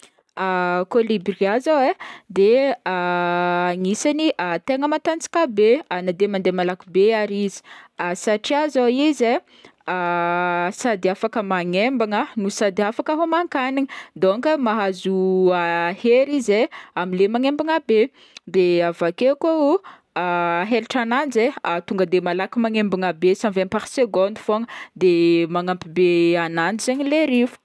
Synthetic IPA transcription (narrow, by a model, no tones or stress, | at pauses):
akolibɾiazawed̪ea | ŋisaniʔat̪eŋəmat̪ant͡si̥kabeanad̪emand̪emalakubeaɾizi̥asaʈ͡ʂiazaize | a | sad̪iafakəmaŋembaŋənusad̪iafakəɦomaŋkaniŋəd̪oŋkəmaɦazuaheɾizeamilemaŋembiŋabe | d̪eavakekou | aɦeɾiʈ͡ʂanand͡zeat̪uŋɡəd̪emalakimaŋembiŋabesamvenpaɾseɡond̪u̥foŋəd̪emaŋampibeananizeɲileɾivu̥